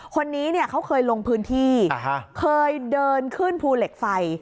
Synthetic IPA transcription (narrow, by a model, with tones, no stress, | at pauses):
kʰo˧nːiː˦˥ni˥˩ɐkʰa˦˥wkʰɤː˧jlo˧ŋpʰɯː˦˥nt̪ʰiː˥˩a˧ɦa˦kʰɤː˧jdɤː˧nkʰɯ˥˩npʰuː˧le˨˩k̚fa˧j